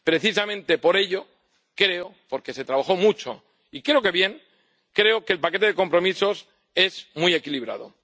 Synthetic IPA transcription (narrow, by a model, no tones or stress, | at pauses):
pɾe̞θis̬amẽ̞nt̪e̞po̞ɾe̞ʎo̞ | kɾeopo̞ɾke̞set̪ɾaβaxo̞mut͡ʃo̞̰ | ikɾe̞oke̞βje̞ŋ | kɾe̞okeːlpake̞t̪e̞ðe̞ko̞mpɾo̞miso̞s | e̞zmuje̞kiliβ̞ɾa̰ðo̰